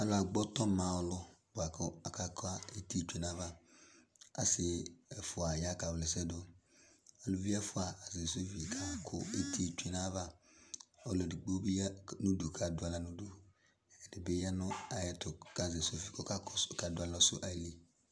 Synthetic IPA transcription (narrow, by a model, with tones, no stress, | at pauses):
a˦la˨ɡ͡bɔ˦tɔ˦mã˨ʊ˦lʊ˦bʊ˨a˨kʊ˦a˨ka˦ka˦e˦ti˦˨t͡ʃu˨e˨na˦va˦ | a̰˨sɪ˨ɛ˨fʊ˨a˨ja˦ka˨wlɪ˨sɛ˦dʊ˦ | ɔ˨lʊ˦vi˦a˦fʊ˦a˨a˨ze˨so˦fi˨kʰa˨kʰʊ˦e˦tʰi˦˨t͡ʃe˨na˦va˦ | ɔ˨lɔ˨di˨ɡ͡bo˦bi˦nu˦du˨kʰa˨dʊ˨˦a˨la˨nu˦du˦ | ɛ˨ɛ˨dɪ˨bɪ˦ja˦nʊ˦a˨jɛ˦tʊ˨ka˨ze˨so˦fi˨kʊ˦ka˦kka˨dʊ˦a˨lɔ˦sʊ̰˦ʔa˨i˦li˨